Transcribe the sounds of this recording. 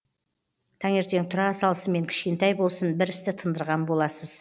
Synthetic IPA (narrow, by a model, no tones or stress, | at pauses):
t̪ʰɑŋe̞ɾt̪eŋt̪ʰʊɾɑsɑlˠəsəme̞ŋkʲʰɪ̥ʃkʲe̞nt̪ɑjbo̞lˠsənbɪɾɪst̪ɪt̪ʰənd̪əɾʁɑnbo̞lˠɑsəz̥